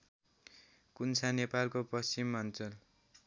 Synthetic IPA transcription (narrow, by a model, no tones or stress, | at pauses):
kunsʰanepalkopʌst͡simːʌnt͡sʌl